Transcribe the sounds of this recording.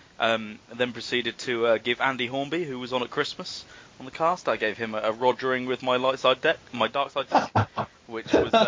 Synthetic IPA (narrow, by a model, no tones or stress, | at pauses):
ʔʌ̃mðə̃npʰɹ̥əsiːɾɪd̚tʰəʌɡɪvæ̃ndiɦɔːmbihʉwɒzn̩əʔ̚kʰɹ̥ɪsməsən̩ðəkʰɑˑstaɪɡeɪv̥ɪ̃məːɹɒd͡ʒəɹɪ̃ŋwɪðmaɪlaɪtsaɪdɛk̚maɪdɑˑksaɪddɛk̚ | wɪt͡ʃwɒz